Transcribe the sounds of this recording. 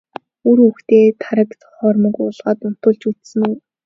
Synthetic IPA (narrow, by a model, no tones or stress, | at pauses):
uɾuxt̪eːt̪ʰaɾə̆kt͡sɔ̥χɔːrmə̆kʊːɮʁaːt̪ʊn̥t̪ʊ̆ɮt͡ɕut̪sɘ̆nu